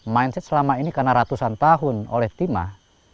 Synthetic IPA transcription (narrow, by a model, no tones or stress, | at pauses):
mainsɛt̪̚səlamainikarnaɾat̪usant̪aɦʊno̰lɛht̪ima̰h